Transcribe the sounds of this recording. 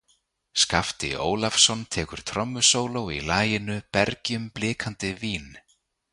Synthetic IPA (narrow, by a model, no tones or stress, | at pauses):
skaft̪ɪ̰ʔo̰ːwlafsɔnt̪ʰɛːkʏɾ̥t̪ʰɾɔmːʏsoːwlowilaːjɪnʏpɛɾcʏmplɪːkʰant̪ɪviːn